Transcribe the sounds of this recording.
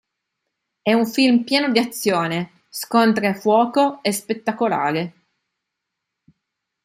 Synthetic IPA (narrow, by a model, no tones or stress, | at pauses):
ɛuɱfilmpjɛːnod̪iat̪sːjoːne | skont̪ɾefwɔːkoespet̪ːakola̰ːɾe